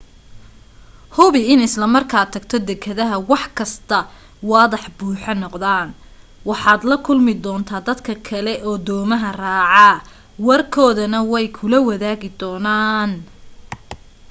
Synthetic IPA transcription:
hʊβɪɪnɪslɐmɐrkʰaːt̪ʰːɐɡt̪ʰɔd̪ɛkʰɐðɐɦɐwɑħkʰɐst̪ʰɐ | wɑːðɐħbuːħɑnɔqðaːn | wɑħɑːd̪lɐkʰʊlmɪd̪ɔːnt̪ʰaːd̪ɐd̪kʰɐkʰɐlɛʔɔːd̪ɔːmɐɦɐraːʕɑ | wɐrkʰɔːðɐnɐwɛjkʰʊlɐwɐðaːɣɪd̪ɔːnaːn

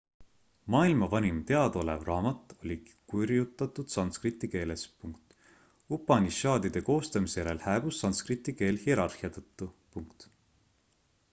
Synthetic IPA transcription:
mɑːilmɑvɑnʲimt̪e̞ɑd̪̥o̞le̞̰vrɑːmɑt̪ˑːo̞lʲikurjut̪ːˑɑt̪ːˑud̪̥sɑnskrit̪ːˑike̞ːlespuŋkt̪ | upːˑɑnʲisɑːd̪id̪̥e̞ko̞ːst̪ɑmisejæɾe̞lhæːb̥usːɑnskrit̪ːˑike̞ːlhieɾɑrhiɑt̪ɤt̪ˑːupuŋkt̪

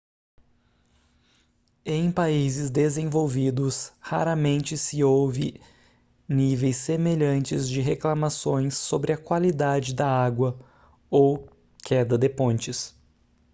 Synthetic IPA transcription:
ẽj̃paizɪzd̪ezẽvowvid̪ʊshaɾɐmẽnt͡ʃɪsɪowvɪ̰ | nivejsːemeʎɐ̃nt͡ʃɪzd͡ʒɪɦeklamasõj̃sːobɾɪɐkwalid̪ad͡ʒɪd̪ɐaɡwɐ | ow | kʰɛd̪ɐd̪epõnt͡ʃɪs

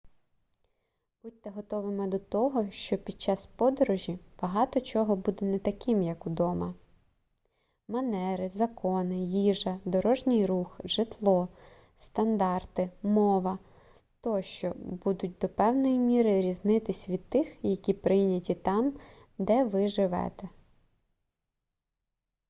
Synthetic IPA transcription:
b̥utʲt̪ɛɦɔt̪ɔʋɪmɛd̪ɔt̪ɔɦɔʃt͡ʃɔpʲid̪̚t͡ʃɑspɔd̪ɔɾɔʒʲib̥ɐɦɑt̪ɔt͡ʃɔɦɔbud̪ɛnɛt̪ɐkɪmjɐkud̪ɔmɐ | mɐnɛɾɪzɐkɔnɪjiʒɐd̪ɔɾɔʒnʲɪjɾuxʒɪt̪lˠɔ | st̪ɐnd̪ɑrt̪ɪmɔʋɐ | t̪ɔʃt͡ʃɔbud̪ʊt̚ʲd̪ɔpɛwnɔjimʲiɾɪɾʲiznɪt̪ɪsʲʋʲid̪̚t̪ɪxjɐkʲipɾɪjnʲɐtʲit̪ɑm | d̪ɛʋɪʒɪʋɛ̰t̪ɛ

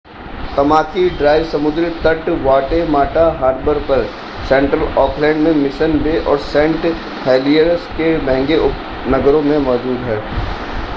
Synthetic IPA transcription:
t̪ɐmaːkiɖɾaːɪʋsɐmʊd̪ɾɪt̪əʈʋaːʈemaːʈaɦaːɾbəɾpɐɾ | sɛ̃ːɳʈɾəlɔːkʰlɛ̃ːɳɖmẽmɪʃənbeʔɔːɾsɛ̃ːɳʈ | hɛːlieɾskemɛ̃ɦːŋɡeʊp | nɐɡɾõmẽmɔːd͡ʒ̪uːɾɦɛː

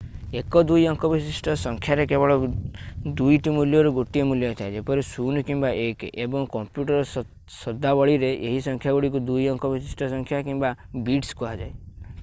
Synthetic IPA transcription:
ekɔd̪ujɔŋkɔbisisʈʰɔsɔŋkʰjaɾekebɔɭɔ | d̪ujʈimuljɔɾɔɡoʈijɔmuljɔt̪ʰaed͡ʒepɔɾisunkimbaʔekebɔŋkɔmpjuʈɔɾɔ | sɔd̪ʱabɔɭiɾeʔeɦisɔŋkʰjaɡɔɽik̬ud̪ujɔŋkʰɔbʱisisʈʰɔsɔŋkʰjakĩmbabiʈskuɦad͡ʒae

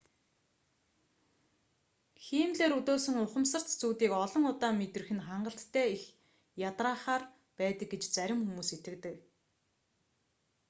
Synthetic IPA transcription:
xiːmɮeːɾut̪oːsɘ̆ŋʊχə̆msə̆r̥t̪t͡suːt̪iːkɔɮɞ̆ŋʊt̪aːmet̪ɘ̆rxɘ̆nχaɴɢə̆ɬt̪ːʰæːix | jat̪raːχaːr | pæːt̪ə̆k̚ɡet͡ɕt͡sæɾʲɪ̆mxumuːset̪ɡɘ̆kt̪ɘ̆k

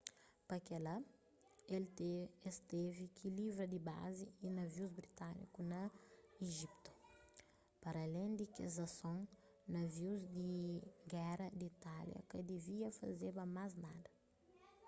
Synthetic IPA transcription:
pɐkɛla | elt̪eest̪evikʰilivɾɐd̪iba̰ziinɐviuzbɾit̪anḭkunɐeʒip̚t̪u̥ | pɐɾɐlẽj̃d̪ikezɐsõŋ | nɐviwzd̪iɡɛɾɐd̪it̪aljɐ̰kɐd̪iviɐfɐ̰zebɐmaznad̪ɐ

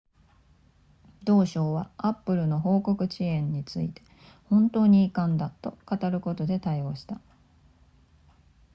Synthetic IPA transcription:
d̪̥o̞ːɕo̞ːβaapːɯ̟ɾɯ̟no̞ɦo̞ːko̞kɯ̟t͡ɕiẽ̞ɲ̟ːit͡sɨit̪e̞̥ | hõ̞nt̪o̞ːɲ̟iːkãnd̪at̪o̞kat̪aɾɯ̟ko̞t̪o̞d̪e̞t̪aio̞ːɕi̥t̪a

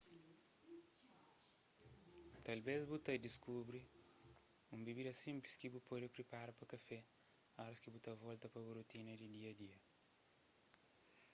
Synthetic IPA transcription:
t̪ɐlbezbut̪ɐd̪iskubɾi | ũmbiβid̪ɐsĩmpliskibupɔdipɾipaɾɐpɐkɐfɛ | aɾɐskibut̪ɐvɔlt̪ɐpɐβoɾot̪inɐd̪id̪iɐd̪iɐ

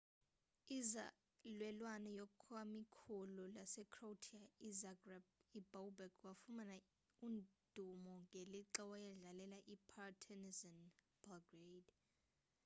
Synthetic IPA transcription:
iza | lwɛlwanɔjɔkʰamikʰulɔlasɛkʰrowtʰiaizaɡrab̚ibowbɛkwafumana | und̥ʱumɔŋɡʱeliǁɛwajɛɮalɛlaʔipʰatʰɛnizɔn | b̥alɡred

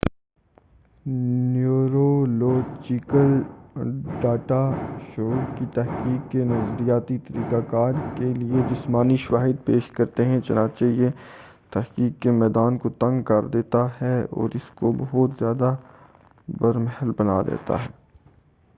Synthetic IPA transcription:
njuːɾoloːd͡ʒikəl | ɖaːʈaʃoːʈkit̪ɛɦkiːkːenɐzɾijaːt̪it̪ɐɾiːkakaːɾkelied͡ʒɪsmaːniʃɐʋaːɦɪd̪̚peːʃkɐɾt̪eɦɛ̃t͡ʃɐnãːt͡ʃeije | t̪ɐɦkiːkːemɛːd̪aːnkot̪ɐ̃ŋɡkɐɾd̪eːt̪aɦɛɔ̰ːɾɪskobɐɦʊt̪zjaːd̪a | bɐɾmɛɦəlbɐna̰d̪ḛːt̪a̰ɦɛː

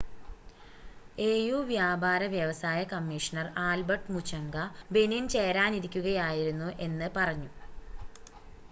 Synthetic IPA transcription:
e̞ːjuːʋjaːbaːɾɐʋjɐʋɐsaːjɐkɐmːiʂɐnɐraːlbɐʈmut͡ɕʰːɐŋɡɐbe̞nint͡ɕe̞ːɾaːniɾikʲːuɣɐjaːjiɾunːuʔe̞nːɨpɐrɐɲːu

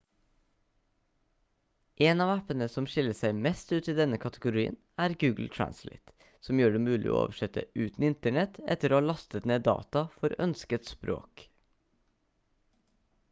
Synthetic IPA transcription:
ʔeːnɑːʋæpənəsɔmʃɪləsæɪmɛst̪ʉːt̪iːd̪ɛnəkʰɑt̪ʰəɡʊɾiːə̰n | æːɾɡʉːɡl̩t̪ʰɹæ̰nslḛɪt̪ | sɔmjøːɖeːmʉːlʔɪ̰ʔo̰ːʔo̰ːʋəʃɛt̪ə̰ʔʉːt̪n̩ɪnt̪əɳɛt̪ɛ̰t̪əɾoːhɑːlɑst̪ət̪neːd̪ɑ̰ːt̪ɑfɔɾœnskət̪spɾo̰ːk

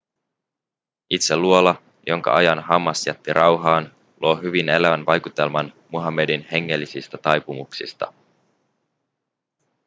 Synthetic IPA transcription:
it̪selːuo̞lɑ | jo̞ŋkɑ̰ʔɑjɑnɦɑmːɑsjæt̪ːiɾʔɑwɦɑːn | lʔuo̞ɦyʋine̞læʋænʋɑjkut̪e̞lmɑnmuɦɑmːe̞dinhe̞ŋːe̞lːisist̪æt̪ɑjpumuksḭst̪ɑ̰

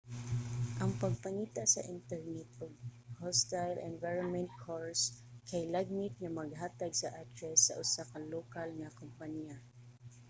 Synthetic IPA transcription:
ʔɐŋpɐɡ̚pɐŋiːt̪aʔsɐ̰ʔɪnt̪ɛɹnɛt̪̚oɡ̚host̪ajlʔɛ̰nvajɹonmɛnt̪̚kʰoɹskʰɐjlaɡ̚mɪt̪̚ŋɐmɐɡɦaːt̪ɐɡsɐʔad̪ɹɛsːɐ̰ʔʊsakɐloːkɐlŋɐkompɐnia

